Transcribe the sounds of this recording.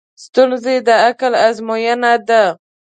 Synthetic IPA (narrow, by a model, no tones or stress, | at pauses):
st̪ʊnzed̪aakalazmɔjanad̪a